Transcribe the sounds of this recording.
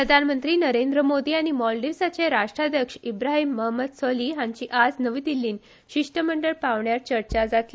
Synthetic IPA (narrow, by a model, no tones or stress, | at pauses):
pɾəd̪ʱanmənt̪ɾiːnəɾend̪ɾəmod̪iːaɽ̃imɔlɖiɾsat͡ɕeɾaʂʈɾad̪ʱjəkʂibɾaɦimːəɦməd̪sɔliːɦãɲt͡ɕiːʔad͡znəʋiːd̪ilːiːn | ɕiʂʈəməɳɖəɭpaʋɳjat͡ɕəɾt͡ɕad͡zat̪li